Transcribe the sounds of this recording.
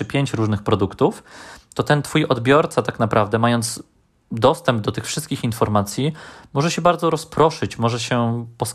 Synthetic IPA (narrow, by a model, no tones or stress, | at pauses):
ɘpʲjeɲt͡ɕɾuʐnɘxpɾɔd̪ukt̪uft̪ɔt̪ɛnt̪fujʔɔd̪bʲjɔɾt̪sat̪aknapɾʔavd̪ɛmajɔnt̪s | d̪ɔst̪ɛmb̚d̪ɔt̪ɘxfʂɘst̪kʲixinfɔɾmat̪sʲjimɔʐɛɕɛbaɾd̪zɔɾɔspɾɔʂɘt͡ɕmɔʐɛɕɛpɔs